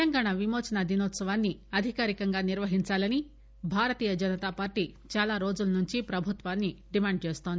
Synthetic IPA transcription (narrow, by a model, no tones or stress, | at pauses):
t̪ɐŋɡaːɳaʋimoːt͡ʃɐnɐd̪inoːt̪sɐʋaːnːiɐd̪ʱikaːɾikɐŋɡaːniɾʋɐɦiɲt͡ʃaːlɐni | bʱaːɾɐt̪iːjɐd͡ʒɐnɐt̪aːpaːɾʈit͡ʃaːlaːɾo̞ːd͡ʒulɐnuɲt͡ʃipɾɐbʱut̪ʋaːnːiɖimaːɳɖ̚t͡ʃeːst̪ond̪i